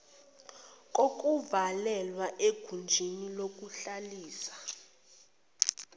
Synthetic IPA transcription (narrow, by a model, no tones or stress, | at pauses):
k̬ʼok̬ʼuvalɛlwaʔeɡ̥ʱund͡ʒʱinilok̬ʼuɬaliːsḁ